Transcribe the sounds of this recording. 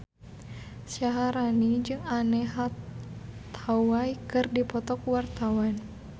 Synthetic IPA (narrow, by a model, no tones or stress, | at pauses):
saɦaɾanid͡ʒɨŋanɛɦa | t̪ʰawajkɨrdipɔt̪ɔkwart̪awan